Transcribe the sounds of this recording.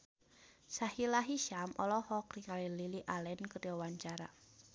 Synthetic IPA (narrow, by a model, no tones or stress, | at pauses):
sahilaɦiʃamʔɔ̰lɔhɔkriŋalililiʔalɛnkərawaɲt͡ʃaɾa̰